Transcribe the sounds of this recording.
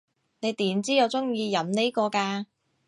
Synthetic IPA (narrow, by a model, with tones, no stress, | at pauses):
ne˨˧jt̪iː˨˥mt͡siː˥jɐ˨˧wt͡sʊ˥ŋjiː˧jɐ˨˥mne˥jkɔː˧kaː˧